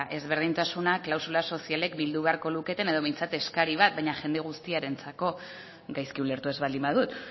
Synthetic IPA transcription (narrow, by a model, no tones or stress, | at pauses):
ʔe̞zβe̞ɾð̞int̪asunaklawsulaso̞siale̞k̚bild̪uβe̞aɾko̞luke̞t̪e̞ne̞ð̞o̞βejnt͡sat̪e̞skaɾiβ̞at̪̚bajɲaʝe̞nd̪e̞ɣ̞ust̪iaɾe̞nt͡sako̞ | ɡajskiule̞ɾt̪ue̞zβald̪imbaðut̪